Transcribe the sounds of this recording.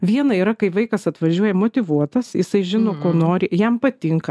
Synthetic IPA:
ʋʲiɛnɐiːɾɐkɐɪʋɐɪkɐsɐt̪ʋɐʒʲuɔjɛmot̪ʲɪʋuɔt̪ɐsjɪsɐɪʒʲɪnoːkoːnoːɾʲɪjɛmpɐt̪ʲɪŋkɐ

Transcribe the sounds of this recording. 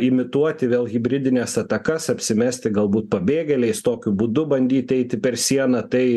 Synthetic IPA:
ɪmʲɪt̪uɔt̪ʲɪʋʲeːlˠɣʲɪbʲɾʲɪd̪ʲɪnʲɛsɐt̪ɐkɐsɐpʲsʲɪmʲæːsʲt̪ʲɪɡɐlˠbuːt̪̚pɐbʲeːɡʲɛlʲɛɪst̪oːkʲʊbʊd̪ʊbɐnʲd̪ʲiːt̪ʲɛɪt̪ʲɪpʲɛɾsʲiɛnɐt̪ɐɪ

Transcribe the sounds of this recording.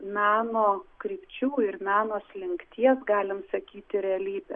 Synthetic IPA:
nɑːnoːkɾʲiːpʲt͡ʃʲuːɪɾnɑːnoːslʲɪŋkt̪ʲiɛsɡɑːlʲɪmsɐkʲiːt̪ʲɪɾʲɛɐlʲiːbʲɛ̰

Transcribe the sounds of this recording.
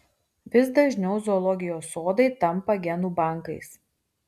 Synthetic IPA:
ʋʲɪs̬d̪ɐʒʲnʲɛʊzɔːlˠɔɡʲɪjoːsoːd̪ɐɪt̪ɐmpɐɡʲɛnuːbɑˑŋkɐɪs

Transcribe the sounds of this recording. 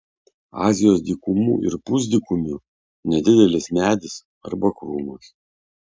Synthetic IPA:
ɑ̰ːzʲɪjoːsd̪ʲiːkʊmṵːʔɪ̰ɾpʊzʲd̪ʲikʊmʲʊ | nʲɛd̪ʲɪd̪ʲɛlʲɪsmʲæːd̪ʲɪs | ɐ̰ɾbɐkɾuːmus

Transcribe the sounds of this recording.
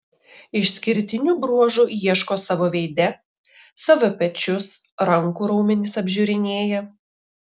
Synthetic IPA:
ɪʃʲsʲkʲɪɾʲt̪ʲɪnʲuːbɾuɔʒujiɛʃkoːsɑʋoːʋʲɛɪd̪ʲɛ | sɐʋʲɔpʲɛt͡ʃʲʊs | ɾɐŋkuːɾɐʊmʲɪnʲɪsɐbʲʒʲuɾʲɪnʲeːjɛ

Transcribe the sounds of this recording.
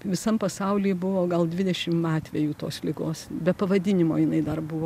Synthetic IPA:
ʋʲɪsɐmpɐsɐʊlʲiːbʊʋoːɡɐlˠd̪ʲʋʲɪd̪ʲɛʃʲɪmɑːt̪ʲʋʲɛjuːt̪oːslʲɪɡoːsbʲɛpɐʋɐd̪ʲɪnʲɪmoːjɪnɐɪd̪ɐrbʊʋoː

